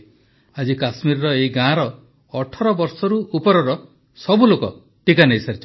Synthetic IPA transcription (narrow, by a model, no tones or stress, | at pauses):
ad͡ʒikasmiɾɔɾɔeiɡãɾɔː | ʈʰɔɾɔbɔɾsɔɾuupɔɾɔɾɔ | sɔbulokɔ | ʈikaneisaɾit͡ʃʰ